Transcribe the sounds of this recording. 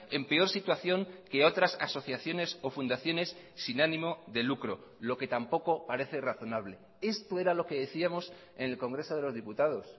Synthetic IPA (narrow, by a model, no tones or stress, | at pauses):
e̞mpe̞o̞ɾsit̪waθjo̞ŋke̞o̞t̪ɾasa̰so̞θjaθjo̞ne̞so̞fund̪aθjo̞ne̞sː | inanĩmo̞ðe̞lukɾo̞ | lo̞ke̞t̪ampo̞ko̞paɾe̞θeraθo̞naβ̞le̞ | e̞st̪o̞e̞ɾalo̞ke̞ðe̞θiamo̞s | ene̞lko̞ŋɡɾe̞so̞ðelo̞zð̞iput̪að̞o̞s